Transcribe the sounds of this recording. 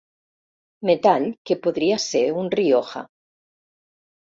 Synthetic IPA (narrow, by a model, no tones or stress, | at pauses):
met̪alkepoðɾiaseɾunrioxa̰